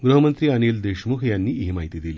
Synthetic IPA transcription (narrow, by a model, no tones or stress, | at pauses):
ɡɾəɦəmənt̪ɾiːəniːld̪eɕmukʰjanːiːɦimaɦit̪iːd̪iliː